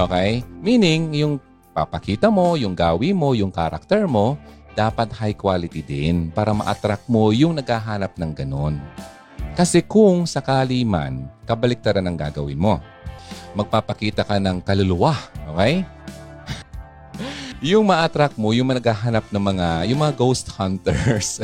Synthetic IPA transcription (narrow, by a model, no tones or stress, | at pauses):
ʔoːkɛjmiːnɪŋjʊŋ | pa̰pɐkiːt̪ɐmo̞jʊŋɡaːwimo̞jʊŋkaɾʔak̚t̪ɛɹmo̞ | d̪̥aːpɐt̪̚hajkwaːlɪt̪id̪ɪnpaːɾɐmɐ̰ʔɐ̰t̪ɾak̚mo̞jʊŋnɐɡhaːɦaːnɐp̚nɐŋɡɐno̞n | kɐsɛkʊŋsɐkaːlima̰nkɐbɐlɪk̚t̪ɐɾanɐŋɡa̰ːɡɐwɪnmo̞ | mɐɡ̚paːpɐkiːt̪ɐkɐnɐŋkɐlʊlʊwaʔo̞ːkɛj | jʊŋmɐʔat̪ɾak̚mo̞jʊŋmɐnɐɡaːɦanɐp̚nɐŋmɐŋajʊŋmɐŋaɡowst̪hant̪ɛɹs